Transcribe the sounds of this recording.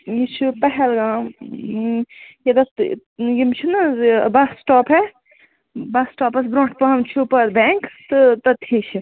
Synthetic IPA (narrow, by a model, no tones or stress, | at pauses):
jit͡ʃʰipɐɦelɡãː | jɐd̪ɐ | jimt͡ʃʰinɐbɐsʈɔːpe | bɐsʈɔːpɐsbɾõːʈʰpɐɦɐmt͡ʃʰupɐɾbẽŋkt̪ɨt̪ɐt̪ʰit͡ʃʰi